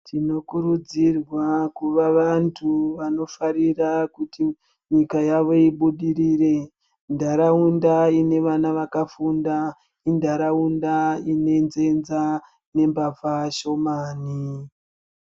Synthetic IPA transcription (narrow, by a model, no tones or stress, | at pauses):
tʰino̞kuɾud͡zirwakuʋaʋantʰuʋano̞faɾirakuti | ɲikajaʋo̞iɓuɗiɾiːre̞ | ndaɾaundaine̞ʋanaʋakafunda | indaɾaundaine̞nze̞nza | ne̞mbafaʃo̞maːni